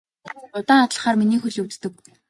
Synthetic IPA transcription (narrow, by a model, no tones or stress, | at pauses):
ʊt̪aːŋat̪ɮə̥̆χaːrminiːxɵɮuwt͡st̪ɘ̆k